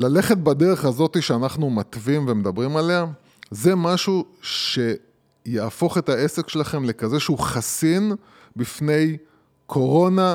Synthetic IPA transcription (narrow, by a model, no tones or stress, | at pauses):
lale̞χet̪̚bade̞ʁe̞χazo̞t̪iʃeanaχnumat̪vimvemed̪abʁimale̞a | ze̞maʃuʃe̞ | jaafo̞χe̞tae̞se̞kʃelaχe̞mle̞kaze̞ʃeuχasin | bifne̞j | kʰo̞ʁo̞na